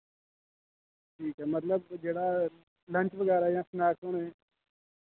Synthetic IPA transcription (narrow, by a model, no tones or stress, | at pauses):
ʈʰiːkɛːmət̪ləbd͡ʒeːɽaː | lə̃ɳt͡ʃʋəɡɛːɾajãːsnaːkoɳɦeː